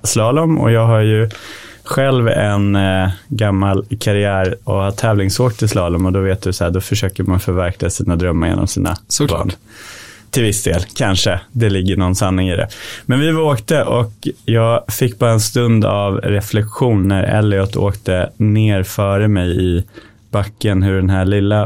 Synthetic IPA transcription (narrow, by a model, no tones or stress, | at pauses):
slɑːlɔmɔ̰jɑːɡɦaɾjɵ | ɧɛlvɛnɡamːalkʰaɾɪæːɾɔhat̪ʰːɛːvlɪŋsoːkt̪ʰɪlslɑːlɔmɔd̪ɔveːt̪̚d̪ɵsahæːɖ̪ɔfœʂøːkəɾmanfœɾvæɾkʰlasiːnad̪ɾœmːəɾjḛnɔ̰msḭːna̰bɑ̰ːɳ | t̪ʰɪlvɪsd̪ḛːlkʰanʂəd̪ɛlɪɡːəɳɔnsanːɪŋɪːd̪ɛ̰mɛnvɪvoːkt̪əʔɔkjɑːɡfɪkːbɑːɾaɛnst̪ɵnd̪avɾɛflɛkɧuːnːæɾɛ̰lːɪɔt̪ʰːo̰ːkt̪əneːɾfœːɾəmɛjɪ | b̥akːənɦɵɖɛnɦæːɭɪlːa